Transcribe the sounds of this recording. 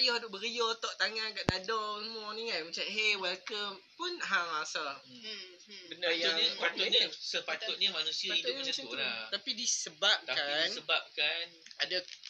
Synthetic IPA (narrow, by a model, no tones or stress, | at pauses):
ajɔhdʊʔbəɾijɔt̪ɔʔt̪aŋanɡaʔdadɔmɔniŋanmat͡ʃaʔɦewɛlkəmpʊnɦaŋasa | bənajaɲisəpat̪uɲisəpat̪ʊt̪̚ɲimanũsiaaiaɾat̪apidisəbap̚t̪akansəbap̚kanada